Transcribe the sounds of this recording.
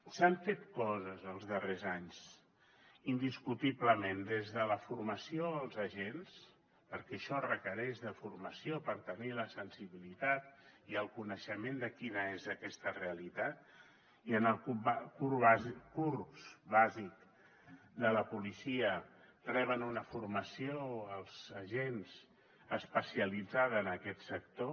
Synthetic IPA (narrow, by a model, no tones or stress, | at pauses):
saɱfet̪kɔzəzəlˠzðərezaɲz | ind̪iskut̪iβləmend̪ezðələfuɾməsioəlˠzəʒens | pəɾkɛʃɔrəkəɾɛʒðəfuɾməsiopəɾt̪əniləsənsiβilit̪at̪̚iəlˠkunəʃəmend̪əkinəezəkɛst̪əreəlit̪at̪̚ | iənəlˠkubkuɾβazkurpsβazik | d̪ələpulisiə | rɛβ̞ənunəfuɾməsioəlˠz̥əʒenz̥ | əspəsiəlid͡zaðːnəkɛt̪sək̚t̪o